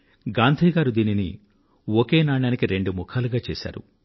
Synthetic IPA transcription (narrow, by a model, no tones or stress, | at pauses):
ɡaːnd̪ʱiːɡaːɾud̪iːnini | oke̞ːnaːɳaːnikiɾe̞ɳɖumukʰaːluɡaːt͡ʃeːsa̰ːɾṵ